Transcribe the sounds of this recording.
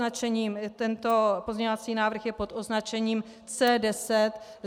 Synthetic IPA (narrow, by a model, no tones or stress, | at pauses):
at͡ʃɛɲiːmt̪ɛnt̪o̞po̞zɲɛɲovat͡siːnaːvr̩xjɛpo̞t̪ʔo̞znat͡ʃɛɲiːm | t͡sɛːdɛsɛt̪